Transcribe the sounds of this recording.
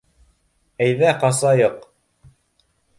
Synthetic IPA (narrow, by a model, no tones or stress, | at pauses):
æjðæqɑsɑjɤq